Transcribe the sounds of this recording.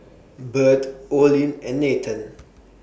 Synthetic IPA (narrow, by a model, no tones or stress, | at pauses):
bətɔlĩnɛ̃nːetʰə̃n